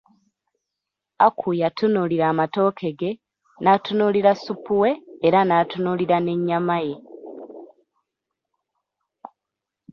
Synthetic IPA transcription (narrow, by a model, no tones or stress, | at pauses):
akʰujatunuliɾaːmato̞ːkʰe̞ɡe̞ | natunuliɾasupuwe̞ːɾanaːtunuliɾane̞ɲːamaje̞